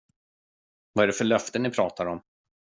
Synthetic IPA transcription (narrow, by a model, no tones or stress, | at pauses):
vaæɖɛfœɭœft̪ənɪpʰɾɑːt̪aɾɔm